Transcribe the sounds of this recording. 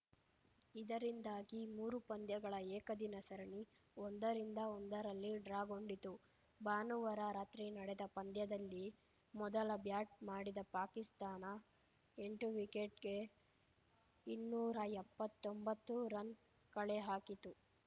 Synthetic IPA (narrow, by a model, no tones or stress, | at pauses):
id̪ɐɾind̪aːɡimuːɾupɐnd̪jɐɡɐɭɐɛːkɐd̪inɐsɐɾɐɳi | ond̪ɐɾind̪ɐond̪ɐɾɐlːiɖɾaːɡo̞ɳɖit̪u | baːnuʋɐɾaɾaːt̪ɾinɐɽɛd̪ɐpɐnd̪jɐd̪ɐlːi | mɔd̪ɐlɐbjaːʈ̚maːɽid̪ɐpaːkist̪aːnɐ | eɳʈuʋikeʈɡe̞ | inːuːɾɐɛpːɐt̪ːombɐt̪ːuɾɐn | kɐɭeɦaːkit̪u